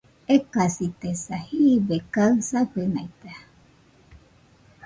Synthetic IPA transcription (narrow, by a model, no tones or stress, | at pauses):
ekasit̪esahibekaɯsaɸena̰jt̪a